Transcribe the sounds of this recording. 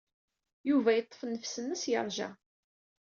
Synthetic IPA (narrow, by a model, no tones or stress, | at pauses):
juvæjət̪ˤːə̥fnːəfsənːəsjə̰ɾˤʒæ̰